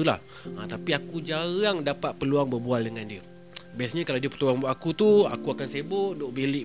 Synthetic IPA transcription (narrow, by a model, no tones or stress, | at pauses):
ula̰h | ət̪apiakud͡ʒaɣaŋdapat̪̚pəluaŋbərbualdəŋandiə | bajasɲə̃kalawdiəpə̥t̪uaŋbʔakut̪ua̰kuakansebʊʔdoʔbelɪʔ